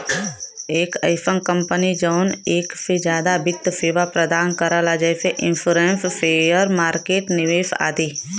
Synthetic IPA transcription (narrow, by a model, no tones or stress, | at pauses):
eːkɐɪfə̃nkə̃mpənid͡ʒəʊneːksed͡ʒjaːd̪abɪt̪ːseːʋapɾəd̪aːnkəɾalad͡ʒɛːseʔɪ̃nfuːɾẽːnspʰeːjəɾmaːɾkeːʈnɪʋeːʃa̰ːt̪iː